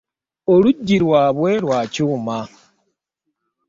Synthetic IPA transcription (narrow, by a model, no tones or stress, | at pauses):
oɾuɟːiɾwaːβweɾwaːcuːma